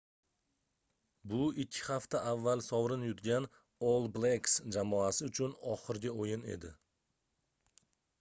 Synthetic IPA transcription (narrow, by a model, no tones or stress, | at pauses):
bʊɪkʲʰːɪ̥haft̪aʔavːalˠsɒwɾɪnjʊt̪ɡʲan | olˠbleksd͡ʒamɒasɪʊt͡ʃʰʊnɒχɨɾɡʲɪojɪne̞̰d̪ɪ